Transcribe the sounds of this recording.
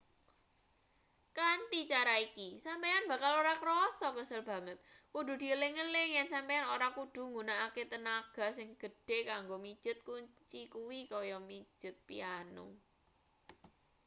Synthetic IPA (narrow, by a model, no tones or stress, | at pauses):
kant̪it͡ʃaɾaikisampejanb̥ä̤kaloɾakəɾɔsɔkəsəlb̥ä̤ŋət̪̚kuɖṳd̪̥i̤əlɪŋəlɪŋjɛnsampejanoɾakuɖ̥ṳŋɡunaaket̪ənaɡ̥a̤sɪŋɡ̥ə̤ɖ̥e̤kaŋɡomi̥ʒ̥ʊ̤t̪̚kuɲt͡ʃikuwikɔjɔmi̥d͡ʒ̥ʊ̤t̪̚pḭanṵ